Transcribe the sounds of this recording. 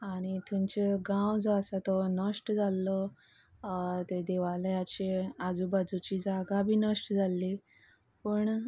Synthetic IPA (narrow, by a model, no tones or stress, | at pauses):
aaɽ̃it̪ʰumt͡ɕeɡãwd͡zɔasat̪ɔnəʂʈd͡zalːɔ | t̪ed̪eʋalajat͡ɕead͡zuːbad͡zut͡ɕiːd͡zaɡabʱiːnəʂʈd͡zʱalːi | pəɳ